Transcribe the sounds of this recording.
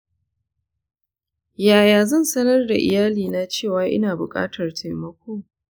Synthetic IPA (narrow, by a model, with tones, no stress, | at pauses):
jaː˨jaː˨zɐ˦˨nsɐ˦nɐ˦rda˨ʔɪ̰˨jaː˦liː˨na˦t͡ʃeː˦˨waː˨ʔɪ̰˦naː˨bʊ˨kʼa̰ː˦tʰɐ˨rtʰa˨jmɐ˦kʷoː˦